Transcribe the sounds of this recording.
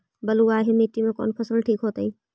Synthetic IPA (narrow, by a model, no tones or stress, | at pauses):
bəluaːɦemeʈːimẽkɔ̰ːnpʰəsəlʈʰiːkɦoːt̪əɦĩː